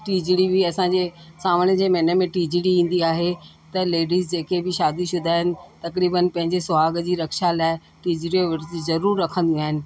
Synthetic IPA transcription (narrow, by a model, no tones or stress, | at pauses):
ʈiːd͡ʑiɽibɪɐsãːd͡ʑesaːməɽjəd͡ʑeːmɐːnəmẽʈiːd͡ʑiɽiĩːn̆d̪iaːɦe | t̪ɐleːɖiːzd͡ʑeːkʰebɪʃaːd̪iʃʊd̪ʱaːɦɪnɪ̆t̪ɐkɾiːbənpɐ̃ɦɪ̃ɲd͡ʑesʊaːɡd͡ʑiːɾɐkʃalaːɪ | ʈiːd͡ʑiɽioʋɪʈd͡ʑzɐɾuːɾːɐkʰə̃nd̪iũaːɦɪnɪ̆